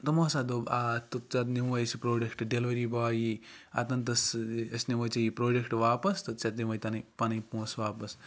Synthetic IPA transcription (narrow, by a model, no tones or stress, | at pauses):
t̪ɐmoːsad̪obaːt̪ut̪̚t͡ʃat̪̬niwɐjsipɾoːɖʲekʰʈɖelʋɐɾiːbaːjia̰t̪ɐnt̪ɐsɐsʲniʋɐt͡ʃɐjipɾoːɖekʰʈʋaːpɐst̪ɐt̪̚t͡ʃɐt̪niwʋɐjt̪ɐnɐjpɐnɐjpõːsʋaːpɐs